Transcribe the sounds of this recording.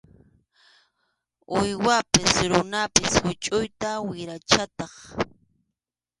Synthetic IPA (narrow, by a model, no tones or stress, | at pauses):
ʊjwapɪsɾʊnapɪshʊt͡ʃʼʊjt̪awɪɾat͡ʃat̪ɑχ